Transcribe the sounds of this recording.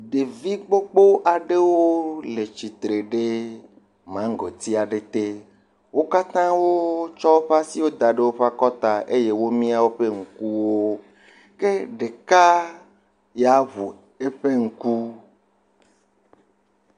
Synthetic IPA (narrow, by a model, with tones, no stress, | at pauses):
ɖe˨vi˦k͡po˦k͡po˦ʔa˨ɖe˦wo˦le˨t͡ʃi˨t̪ɾe˨ɖe˦ | mã˦ŋ˨ɡɔ˨t̪i˦a˨ɖe˨t̪e˦ | wo˦ka˦t̪ã˦wo˦t͡ʃɔ˦wo˦ɸa˦si˦wo˦d̪a˨ɖe˦wo˦ɸa˦kɔ˦t̪a˨ʔe˦je˦wo˦mĩ˦a˦wo˦ɸe˦ŋ̩˨ku˦wo˦ | ke˦ɖe˨ka˦ | ja˨ɦu˨ | e˦ɸe˦ŋ̩˨ku˦